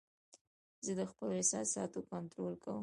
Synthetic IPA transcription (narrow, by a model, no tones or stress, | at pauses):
zəd̪əxpəloɪsɑ̰sɑt̪okant̪ɾolkawə